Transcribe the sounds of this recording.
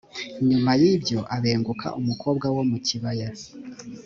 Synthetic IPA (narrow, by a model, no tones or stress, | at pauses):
iɲumajibjo̞ʔaβe̞ːŋɡukʰa̰ʔumuko̞ːbɡawo̞muciβaja